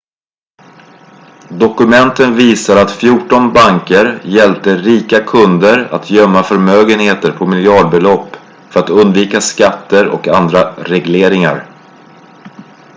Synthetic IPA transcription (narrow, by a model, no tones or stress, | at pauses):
d̪ɔkɵmɛnt̪ənviːsaɾat̪fjuːʈɔnbaŋkəɾjɛlp̚t̪əɾiːkakʰɵnd̪əɾa̰t̪ʰjœmːafœɾmøːɡənheːt̪əɾpʰɔmɪljɑːɖ̚bɛlɔpː | fœɾat̪ɵnd̪viːkaskat̪ːəɾɔ̰kand̪ɾaɾɛɡleːɾɪŋa̰ɾ